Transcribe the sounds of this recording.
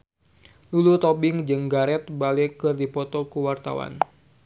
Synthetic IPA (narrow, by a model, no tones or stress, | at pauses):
lulut̪ɔbɪŋd͡ʒɨŋɡaɾɛt̪̚balɛkɨrdipɔt̪ɔkuwart̪a̰wa̰n